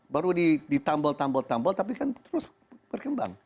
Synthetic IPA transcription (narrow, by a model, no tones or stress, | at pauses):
baɾudidit̪ambɔlt̪ambɔlt̪ambɔlt̪ap̬ikant̪əɾʊs | b̥ərkəmba̰ŋ